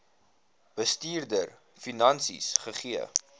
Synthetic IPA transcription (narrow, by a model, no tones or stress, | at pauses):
b̥əstiːrdər | finɐnsḭsχəχiə̰